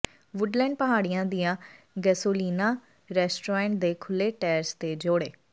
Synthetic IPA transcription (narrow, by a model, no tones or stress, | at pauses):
ʋʊɖlɛ̃ːɳɖ̚pəɦaːɽɪjãːd̪ijãː | ɡɛsoːliːnãː | ɾɛːsʈoːɾɛ̃ːɳʈ̚d̪eːkʰʊlːeːʈɛːɾst̪eːd͡ʒoːɽḛː